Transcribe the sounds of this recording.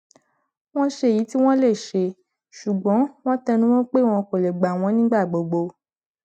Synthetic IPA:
w̃ɔ̃˦ʃe˧˨ji˨˦ti˦w̃ɔ̃˦le˦˨ʃe˧ | ʃu˨ɡ͡bɔ̃˨˦w̃ɔ̃˦tɛ˧nũ˦wɔ̃˦k͡pe˦˨w̃ɔ̃˧ko˨lɛ˨ɡ͡ba˨w̃ɔ̃˧˦nĩ˦ɡ͡ba˦˨ɡ͡bo˨ɡ͡bo˧

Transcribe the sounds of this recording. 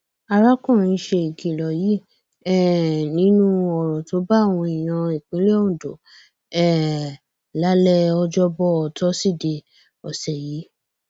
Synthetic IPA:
a˦˧ɾa˦kɔ̃˦˨ɾ̃ĩ˧˦ʃe˧i˨ɡi˨lɔ˨ji˨˦ | ɛ˦˨nĩ˨˦nũ˦ɔ˨ɾɔ˨to˨˦ba˦˨w̃ɔ̃˧i˨j̃ã˧i˨k͡pĩ˨˦le˦o˦ũ˨do˨ | ɛ˦˨ | la˨˦lɛ˦ɔ˧d͡ʒɔ˦bɔ˦ɔ˨tɔ˦si˦˨de˧ | ɔ˨sɛ˨ji˨˦

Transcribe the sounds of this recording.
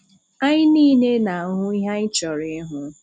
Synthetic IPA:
a˦ɲɪ˦niː˦ne˦na˨a˨ŋʊ˦i˦ɦa˦ɲɪ˦t͡ʃɔ˨ɾɪ˦ɦʊ˦

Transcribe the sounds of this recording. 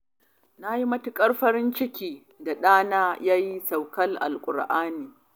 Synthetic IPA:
na˦ji˦mɐ˦tʊ˦kʼɐ˦rɸɐ˦ɽɪ˦nt͡ʃɪ˦kʲiː˨ | da˨ɗaː˦naː˦jaː˦ji˦sa˨wkɐ˦lʔa̰˨lkʷʼʊ̰˨ɽʔaː˦niː˨

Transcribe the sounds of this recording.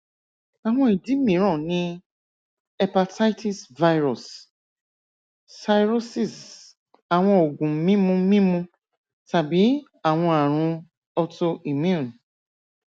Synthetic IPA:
a˨w̃ɔ̃˦i˨di˨˦mĩ˨˦ɾ̃ɔ̃˦˨nĩ˦ | ɛ˦pa˧ta˦i˦ti˦˨sva˧jɾɔ˨s | sa˧jɾo˦si˨s | a˨w̃ɔ̃˧o˨ɡũ˨mĩ˦mũ˧mĩ˦mũ˧ | ta˨bi˨˦ | a˨w̃ɔ̃˧a˨ɾ̃ũ˧ | ɔ˧to˧ʔi˨mjũ˦˨n

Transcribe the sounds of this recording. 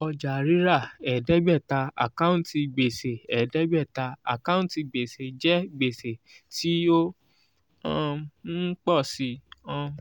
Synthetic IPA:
ɔ˧d͡ʒa˨ɾi˨˦ɾa˦˨ɛ˨dɛ˨˦ɡ͡bɛ˦˨ta˧a̰˨kã˦ũ˦˨ti˧ɡ͡be˨se˨ɛ˨dɛ˦ɡ͡bɛ˦˨ta˧a̰˨kã˦ũ˦˨ti˧ɡ͡be˨se˨d͡ʒɛ˦ɡ͡be˨se˨ | ti˨˦o˦ | ɔ̃˧˦ | k͡pɔ˦˨si˧ɔ̃˧

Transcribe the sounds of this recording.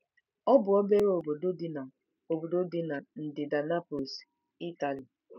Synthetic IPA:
ɔ˦bʊ˨ɔ˦be˦ɾo˨bo˨do˦di˦na˨ | o˨bo˨do˦di˦na˨n̩˨dɪ˨da˨na˦po˨s | i˦ta˨li˨

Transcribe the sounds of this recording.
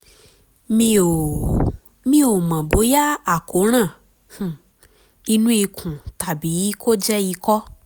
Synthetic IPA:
mĩ˧o˨ | mĩ˦o˨mã˨bo˨˦ja˦a˨ko˨˦ɾ̃ã˦˨ | hũ˨ | i˧nũ˦i˧kʰũ˨ta˨bi˨˦kʰo˦d͡ʒɛ˦i˧kɔ˦

